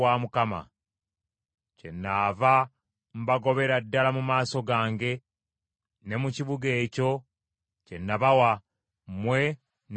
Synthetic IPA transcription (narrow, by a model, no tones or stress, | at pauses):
aːmukama̰ | ce̞nːaːva | m̩baɡo̞βe̞ɾadːalamumaːso̞ɡaːŋɡe̞ | ne̞muciβuɡe̞ːco̞ | ce̞nːaβawa | mwe̞ | n